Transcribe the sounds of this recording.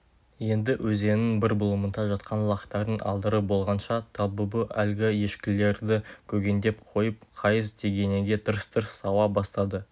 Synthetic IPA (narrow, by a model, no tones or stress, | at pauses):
je̞nd̪ɪwʔɵze̞nɪŋbɪɾbʊlˠəmənd̪ɑʒɑt̪qʰɑnlˠɑqt̪ːɑɾənʔɑ̰lˠd̪əɾəbo̞lˠʁɑnʃɑt̪ʰɑlˠbəbəʔælɡʲɪje̞ʃkʲɪle̞ɾd̪ɪkʲʰɵɡʲe̞nd̪e̞pqʰo̞jəp̚qʰɑjəzt̪ʰeɡʲe̞neŋɡʲe̞t̪ʰəɾəst̪ʰəɾəsːɑwɑbɑst̪ɑd̪ə